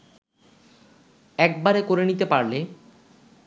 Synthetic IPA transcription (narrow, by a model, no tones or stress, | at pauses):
ɛk̚baɾekoɾenit̪epaɾle